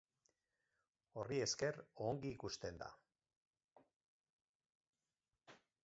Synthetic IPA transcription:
o̞rie̞ske̞roŋɡiːkust̪e̞nd̪a̰

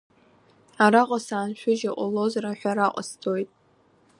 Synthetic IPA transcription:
aɾaqʼasaːnʃᶣʊʒaʔʷʼʊlo̞zraħʷᶣaɾaqʷʼə̰stʰʼojtʼ

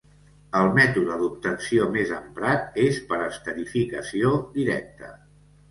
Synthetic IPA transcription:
əlˠmɛt̪uðəðup̚t̪ənsiomezəmpɾat̪espəɾəst̪əɾifikə̰siod̪iɾɛ̰k̚t̪ə̰

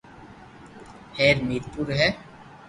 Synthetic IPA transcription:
hɛːɾmiːɾpuɾɦɛː

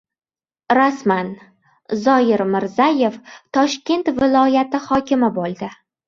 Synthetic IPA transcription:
ɾasman | zɒjɪɾmɪɾzaje̞ft̪ʰɒʃkʲe̞nt̪vɪlˠɒjat̪ɪhɒkʲɪmɪbolˠd̪ɪ

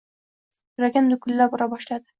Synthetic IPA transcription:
jʰʊɾaɡʲand̪ʊkʲʰʊlːabɒɾabɒʃlad̪ɪ̥

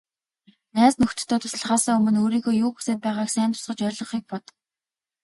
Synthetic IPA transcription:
næːsnɵxt̪ɵ̆t̪ʰːœːt̪ʰʊ̥s̆ɮ̆ʁaːsə̆ŋɵmɵ̆noːɾiːxoːjuːke̥seːt̪̚pæːʁaːksæːnt̪ʰʊ̥sʁə̆t͡ɕœɾʲɮɞ̆ɴχiːk̚pɔt̪

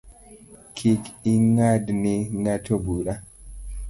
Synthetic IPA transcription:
kʰikiŋadniŋatʰobuɾa

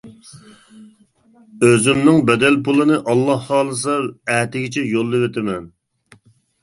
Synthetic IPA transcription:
øzɪmnɪŋbɛd̪ɛlpʰulˠɨnɨʔɑlˠːɑhːɑːlˠɨs̬ɑæːt̪ɪɡʲɪt͡ʃʰɛjolˠːɨwet̪ʰɪmɛn

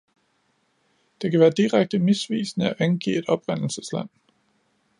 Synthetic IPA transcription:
d̥e̝kʰæʋæːɐd̥iʁaɡ̥̚d̥əmisʋḭːsnəæʔænɡ̥ḭːe̝d̥ɒ̽b̥ʁan̰l̩səslæn̰

